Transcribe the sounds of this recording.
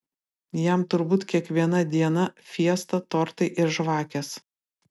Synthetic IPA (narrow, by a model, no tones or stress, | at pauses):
jɛmt̪ʊɾbuːt̪kʲiɛkʋʲiɛnɐd̪ʲiɛnɐfʲiɛst̪ɐt̪oːɾt̪ɐɪʔɪɾʒʋɑːkʲɛs